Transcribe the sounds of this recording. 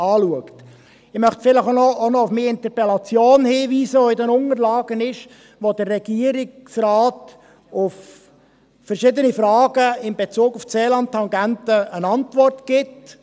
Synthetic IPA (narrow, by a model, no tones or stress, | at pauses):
ɑːluəkt | ɪχmœχtfɪləχonɔonɔʊfmiːɪnt̪əpɛlɑt͡sjoːnhiːʋiːsəɔɪdɛnʊŋəɾlɑːɡ̥ənɪʃ | ʋod̪ərːɛɡ̥iːəɾɪksrɑːt | ʊf | fəɾʃɪd̪ənifrɑːɡəɪmbet͡suːɡʊft͡seːlɑntʰːɑŋɡæntəːnɑntʋɔrtɡ̥ɪt